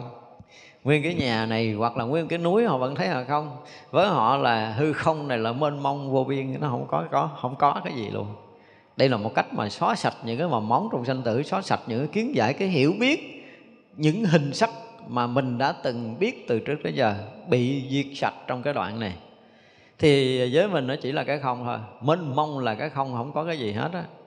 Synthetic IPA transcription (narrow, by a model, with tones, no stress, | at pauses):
ŋwi˧ənkaː˨˦jɲaː˨˩na˨˩jɣwa˨˩k̚laː˨˩ŋwi˧ənkaː˨˦jnu˨˦jhɔ̰˧˨və̰˧˥nt̪ʰə˨˦jhaː˨˩xə˧wŋ͡m | vəː˨˦jɦɔ̰˧˨laː˨˩ɦɨ˧xə˧wŋ͡mna˨˩jlaː˨˩mə˧nma˧wŋ͡mvo˧vi˧ənnɔ˨˦ɦə̰˧˩wŋ͡mkɔ˨˦kɔ˨˦hə̰˧˩wŋ͡mkɔ˨˦kaː˨˦jzḭ˨˩lʔṵ˧ən | ɗə˧jlaː˨˩mo˨˩t̚ka˦˥jk̟̚mʔaː˨˩sɔ˨˦˥sa˨˩t̚ɲɨ̰˧˥ŋkaː˨˦jvaː˨˩ma˨˦wŋ͡mt͡ɕɔ˧wŋ͡msa˧ŋt̪ɨ̰˧˩sɔ˨˦sa˨˩t̚ɲɨ̰˧˥ŋkaː˨˦ki˨˦ənza̰ː˧˩jkaː˨˦jɦḭ˧˩əwɓi˦˥ət̚ | ɲɨ̰˧˥ŋɦï˨˩ŋ̟sa˦˥k̚maː˨˩mï˨˩ŋ̟ɗa̰ː˧˥t̪ɨ˨˩ŋɓi˦˥ət̚t̪ɨ˨˩t͡ɕɨ˦˥k̚t̪ʰə˨˦jzəː˨˩ɓḭ˧˨zi˨˩ək̚sa˨˩t̚t͡ɕɔ˧ŋ͡mkaː˨˦jɗwa̰ː˧˨nna˨˩j | t̪ʰi˨˩˨zəː˨˦jmï˨˩ŋ̟nɔ˨˦t͡ɕi˧˩laː˨˩kaː˨˦jxə˧wŋ͡mt̪ʰo̰˧jme˧nmə˧wŋ͡mlaː˨˩kaː˨˦jxə˧wŋ͡mhə̰˧˥wŋ͡mkɔ˨˦kaː˨˦jzi˨˩ɦḛ˦˥t̚ʔa˨˧˦